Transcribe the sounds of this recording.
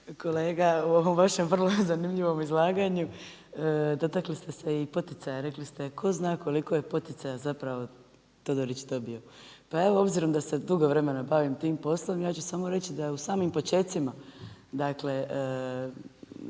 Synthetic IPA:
ko̞le̞ːɡauo̞ʋo̞mʋaʃe̞mʋr̩lozanimʎiʋo̞mizlˠaːɡaɲu | d̪o̞t̪aklist̪e̞se̞ipo̞t̪it̪sajaɾe̞klist̪e̞kʰo̞znaːkʰo̞liko̞je̞po̞t̪it̪sajazapɾaʋo̞ | t̪o̞d̪oɾit͡ɕd̪o̞bio̞pae̞ʋoo̞bziɾo̞md̪ase̞d̪uɡo̞ʋɾe̞me̞nabaʋimt̪iːmpo̞slˠo̞mjaːt͡ɕusaːmo̞ɾe̞t͡ɕid̪aeusaːmimpo̞t͡ɕe̞t̪simad̪akle̞

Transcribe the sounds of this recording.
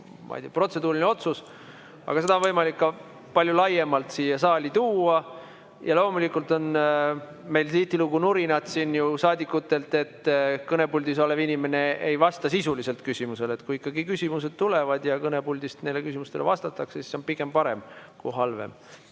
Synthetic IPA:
mɑ̰jd̪̥ʲiɑpro̞t̪se̞d̪uːɾineo̞t̪sus | ʔɑ̰ɡ̥ɑse̞d̪ɑonvɤjmɑlikːɑ | pɑlʲjulɑjemɑlt̪siːjɑsɑːlʲit̪uːɑ | jɑlo̞ːmulikːˑult̪ˑo̞n | me̞jlsiht̪iluɡunuɾinɑt̪sinːjusɑːd̪ʲikːˑut̪ːˑe̞lt̪ːˑe̞t̪ːkɤne̞pulʲd̪is̬ole̞vinʲime̞ne̞ejvɑst̪ɑsisulise̞lt̪kysʲimuse̞le̞t̪kuiikːˑɑɡikysʲimus̬e̞d̪̥̚t̪ule̞vɑd̪̥jɑkɤne̞pulʲd̪̥ist̪nelːekysimust̪e̞levɑst̪ɑt̪ːˑɑksesi̥so̞npiɡ̥e̞mpɑɾe̞mkṵjɦɑlvḛm

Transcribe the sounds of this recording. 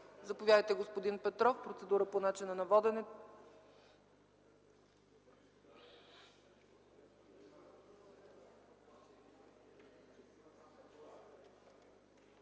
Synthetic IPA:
zɐpovʲjad̪əjt̪ɛɡospod̪inpɛt̪ɾɔfpɾot̪sɛd̪uɾəponat͡ʃinənɐvɔd̪ɛnɛ

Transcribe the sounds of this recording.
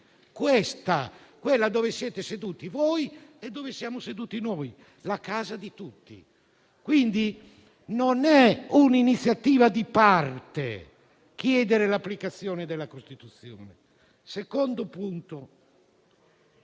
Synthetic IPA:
kwɛst̪akwɛlːad̪ɔːvesjɛːt̪esed̪uːt̪ivojɛd̪ːoɔːvesjaːmosed̪uːt̪inɔːj | lakaːzad̪it̪ut̪ːḭ | kwind̪i | nonɛuninit̪sːjat̪iːvad̪ipart̪ḛ | kjɛːd̪ɛɾelapːlikat̪sːjɔːnɛd̪ɛlːakost̪it̪ut̪sːjɔ̰ːnɛ | sekɔnd̪opunt̪o

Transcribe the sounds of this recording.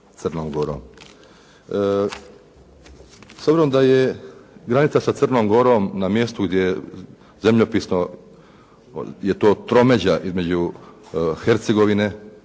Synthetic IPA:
t̪sərnoːmɡoɾo̰ːm | sobziɾomd̪ajeɡɾanit̪sasat̪sərnoːmɡo̞ɾoːmnamje̞st̪uɡd̪je | ze̞mʎopiːsno | je̞t̪o̞ːt̪ɾo̞me̞d͡ʑaʔizme̞d͡ʑu | xeɾt̪seɡo̞ʋine̞

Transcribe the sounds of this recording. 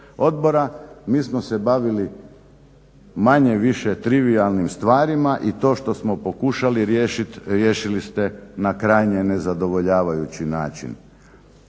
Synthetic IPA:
o̞d̪bo̞ɾamiːsmo̞se̞baʋili | maɲe̞ʋiʃet̪ɾiʋialˠnimst̪ʋaːɾimaʔit̪o̞ːʃt̪o̞smo̞po̞kuʃaliɾjeʃit̪ɾjeʃilist̪enakɾajɲenezad̪o̞ʋo̞ʎaːʋajut͡ɕinaːt͡ʃḭn

